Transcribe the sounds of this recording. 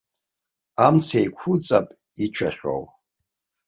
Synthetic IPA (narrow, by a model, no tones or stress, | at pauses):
amt͡sʰejkʷʰʊt͡sʼapʼ | it͡ʃʷʰaχʲo̰w